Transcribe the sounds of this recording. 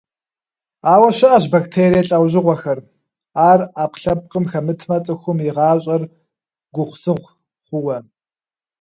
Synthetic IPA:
aːwɐɕɪʔɐʑ̬baktʰeːɾijɐɬʼɐwʑɪʁʷɔxɐr | aːraːpɬɐp̚qəmxɐmɨtʰmɐt͡sʼɨxʷʊmiʁɑːɕʼɐr | ɡʷʊχʷsɨʁʷ | χʷʊwɐ

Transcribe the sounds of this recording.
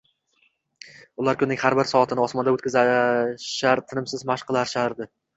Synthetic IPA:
ʊlaɾkʰʲʊnːɪŋʲhaɾbɪɾsɒat̪ʰɪnɪɒsmɒnd̪aɵt̪̚kʲɪzaʃaɾt̪ʰɪnɪmsɪzmaʃqɨlˠaɾʃaɾd̪ɪ

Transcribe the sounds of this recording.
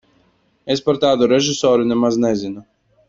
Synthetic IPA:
espaɾt̪aːd̪uɾeʒisɔːɾunʲɛmaznɛzʲinu

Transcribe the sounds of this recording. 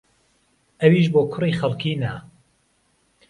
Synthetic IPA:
ʔɐwiʃboːkʰʊrixɐlˠkʰiːnɐ

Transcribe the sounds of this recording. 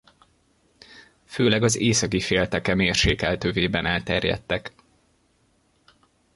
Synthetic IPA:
føːlɛɡɒzeːsɒkifeːlt̪ɛkɛmeːrʃeːkɛlt̪øːveːbɛnaːlt̪ɛrjɛ̰t̪ːɛk

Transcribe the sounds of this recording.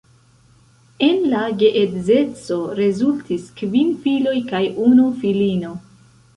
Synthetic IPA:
e̞nlaɡe̞ʔetze̞t͡so̞ɾe̞zultʰiskvinfilo̞jkajunufilino̞

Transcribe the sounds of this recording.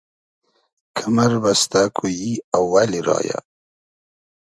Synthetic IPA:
kʰamaɾbast̪akʰujiawːaliɾɑ̰ja̰

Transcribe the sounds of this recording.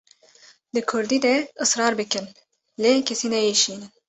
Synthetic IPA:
d̪ɨkʰʊɾd̪iːd̪ɛɨsɾɑːɾbɨkɨn | lekʲʰɛsiːnɛjeʃiːnɨn

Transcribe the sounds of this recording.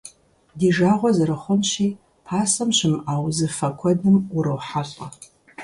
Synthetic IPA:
diːʒaːʁʷɔzɨɾɐχʷʊnɕiː | pʰaːsɐmɕɪmaːwzɨfɐkʷʰɔdɨmʊɾɐwħaɕʼɐ

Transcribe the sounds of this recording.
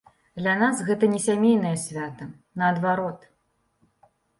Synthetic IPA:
d̪lʲanasɣɛt̪ɐnʲɛsʲamʲejnɐjɐsʲvʲat̪ɐ | nɐːd̪vaɾɔt̪

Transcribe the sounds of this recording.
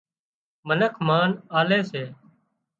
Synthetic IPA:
mənəkʰmaːnaːleːseː

